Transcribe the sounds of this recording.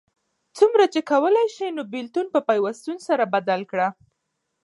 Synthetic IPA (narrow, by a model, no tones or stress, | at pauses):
t͡sumɾat͡ʃekawəlajʃinobɪlt̪unpəpajwast̪unsaɾabad̪alkɽa